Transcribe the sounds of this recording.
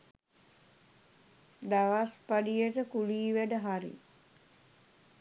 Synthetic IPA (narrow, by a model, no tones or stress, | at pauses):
d̪aʋaspaɖijəʈəkuliːʋæɖəɦaɾḭ